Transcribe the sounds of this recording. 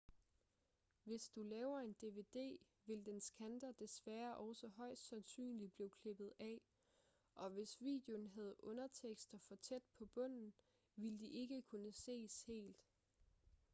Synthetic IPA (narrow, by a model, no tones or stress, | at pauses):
ʋe̝sd̥ulɛːʊɐe̝nd̥e̝ʋe̝ːd̥e̝̰ː | ʋe̝ld̥ensɡ̥ʰænd̥ɐd̥esʋæːɐʔɒʊsɒɦɒ̽ɪ̰sd̥sænsy̰ːnlib̥liːkʰle̝b̥ð̞̩ˠɛ̰ | ʔɒ̽ʋe̝sʋḭːd̥jo̝nɦæð̞̩ˠʔɔ̽nɐt͡sʰeɡ̥sd̥ɐfɒ̽t͡sʰed̥̚pʰɒ̽b̥ɔ̽n̰n̩ | ʋild̥iʔe̝ɡ̥əkʰunəse̝̰ːshe̝̰ːld̥